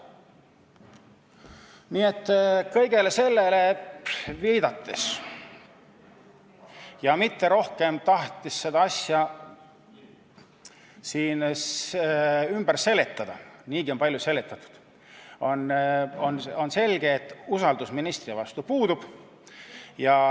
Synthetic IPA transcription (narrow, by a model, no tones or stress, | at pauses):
niːe̞t̪ˑːkɤjɡe̞le̞se̞lːe̞le̞ | viːd̪ɑt̪ːes | jɑmit̪ːe̞ɾo̞hke̞mt̪ɑht̪isːe̞d̪̥ɑɑsjɑ | siːn | ymb̥æɾse̞le̞t̪ːˑɑd̪̥ɑ̰niːɡio̞npɑlʲjuse̞lːet̪ːˑɑt̪ːˑu̥d̪̥ | onono̞nse̞lʲɡ̥eːt̪ːˑusɑld̪usminist̪riɑvɑst̪upuːd̪ub̥ | jɑ